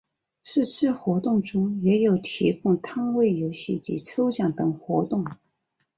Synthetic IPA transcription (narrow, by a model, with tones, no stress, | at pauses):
ʂɻ̩˥˧ʈ͡ʂʰɻ̩˥˩xwɔ˧˥t̪ʊ˥˩ŋʈ͡ʂʊ˥ŋjɛ˧˥jo˨˩ʊt̪ʰi˧˥kʊ˥˩ŋt̪ʰɑ˥ŋwe˥˩ɪjo˧˥ʊɕi˥˩t͡ɕḭ˧˥t͡sʰo˥ʊt͡ɕjɑ˨˩ŋt̪ɤ˨˩ŋxwɔ˧˥t̪ʊ˥˩ŋ